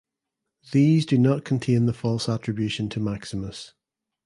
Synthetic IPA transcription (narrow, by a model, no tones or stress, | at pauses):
ðiːzdənəʔkʰə̃ntʰẽnðəfɔlˠsat͡ʃɹ̥ɪbjʉʃə̃ntʰəmaksɪməs